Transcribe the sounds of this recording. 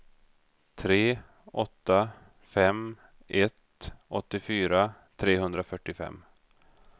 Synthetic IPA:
t̪ʰɾeː | ʔɔt̪ːa | fɛm | ʔɛt̪ʔɔt̪ːɪfyːɾat̪ʰɾeːɦɵnd̪ɾafœʈːɪfɛ̰mː

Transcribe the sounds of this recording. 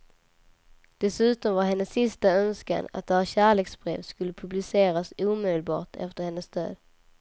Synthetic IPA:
d̪̥ɛsʉ̟ːt̪ɔmvaɾɦɛnːəsːɪst̪aœnska̰na̰t̪̚d̪ɛɕæːɭeːksbɾḛːvskɵlːəpʰɵblɪseːɾasuːmed̪əlbɑ̰ːʈʰɛ̰ft̪əɾhɛnːəsd̪ø̰ːd̪

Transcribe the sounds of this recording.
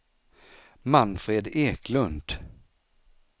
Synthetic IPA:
manfɾeːd̪eːkʰlɵnd̪̥

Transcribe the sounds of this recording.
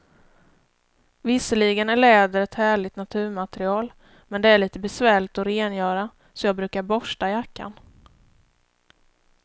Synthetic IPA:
vɪsəɭiɡənæɭɛːd̪əɾɛt̪hæːɭɪt̪nat̪ʰʉ̟ːɾmat̪ɾɪɑːl | mɛnd̪ɛæɭiːt̪əbɛsvæːɭɪɡ̚t̪ɔɾeːnjœːɾa | sɔjɑːɡ̚bɾʉ̟ːkaɾbɔʂʈaɪjakːa̰n

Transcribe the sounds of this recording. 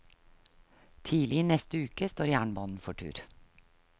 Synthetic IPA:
t̪ʰiːlɪinɛst̪əʉːkəst̪oːɾjæːɳbɑːnn̩fɔʈʰʉ̰ːɾ

